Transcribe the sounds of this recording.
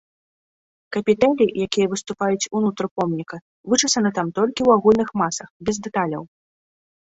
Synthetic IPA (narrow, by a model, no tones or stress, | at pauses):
kɐpʲit̪ɛlʲijakʲijɐvɨst̪upajut͡sʲunut̪ɾpɔmnʲikɐ | vɨt͡ʂɨsɐnɨt̪amt̪ɔlʲkʲiwaɣulʲnɨxmasɐxbʲɛzd̪ɛt̪alʲɐ̰w